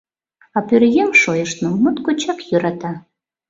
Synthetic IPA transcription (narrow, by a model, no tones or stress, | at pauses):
ɑpyrɣemʃojəʃnomut̪kot͡ɕɑkjøɾɑt̪ɑ